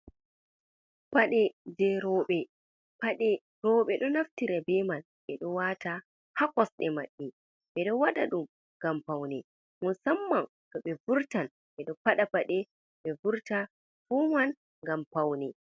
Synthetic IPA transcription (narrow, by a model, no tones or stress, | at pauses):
paɗɛd͡ʒɛɾɔɓɛ | paɗɛ | ɾɔːɓɛɗɔnaftiɾabɛman | ɓɛɗɔwata | hakɔsɗɛma̰ɗːi | ɓɛɗɔwaɗa̰ɗum | ŋɡampawnɛ | musamːan | kɔɓɛvuɾtan | ɓɛɗɔpaɗapaɗɛ | ɓɛvuɾta | fɔman | ŋɡampawnɛ